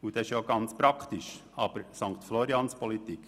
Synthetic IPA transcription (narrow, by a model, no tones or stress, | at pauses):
ud̪̥ɛɪʃjoɡɑnt͡spɾɑkʰt̪ɪʃɑːb̥əɾsɑŋkt̪flɔɾiɑnspʰɔlit̪ik